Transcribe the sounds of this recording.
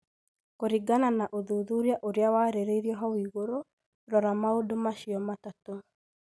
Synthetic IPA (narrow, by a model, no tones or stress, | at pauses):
koɾiɡananaʔoðuðuɾjaʔoɾeawaɾeɾeiɾiɔɦɔwiːɣoɾo | ɾɔɾamaodomaʃiɔmatato